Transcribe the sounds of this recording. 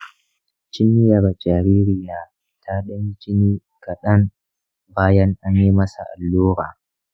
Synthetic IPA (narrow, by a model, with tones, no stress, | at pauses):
t͡ʃɪ˦ni˦jɐ˨ɾa˨d͡ʒʼaː˨ɾiː˦ɾɪ˦jaː˨ | tʰa˦ɗɐ˦mi˦t͡ʃɪ˦niː˦ | ka˨ɗɐ˦n | baː˦jɐ˦ŋʔa˦ɲji˦mɐ˦sa̰˨ʔa̰˨lːoː˦ɾa̰ː˨